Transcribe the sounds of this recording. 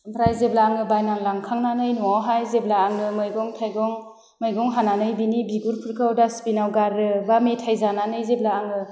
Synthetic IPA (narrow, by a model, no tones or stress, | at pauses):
smpʰɾajzeblaːŋɯbajnaŋlaŋkʰaŋnanɯjnuawɦajzeblaːŋɯmɯjɡɔŋtʰajɡɔŋ | mɯjɡɔŋɦananɯjbinibiɡuɾpʰɯɾkʰɯwdaspinawɡaɾɯbametʰajzananɯjzeblaːŋɯ